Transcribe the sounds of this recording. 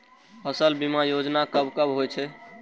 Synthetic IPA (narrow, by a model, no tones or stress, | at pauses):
həsəlbimajod͡ʒnakəbkəbɦojt͡ʃʰɛ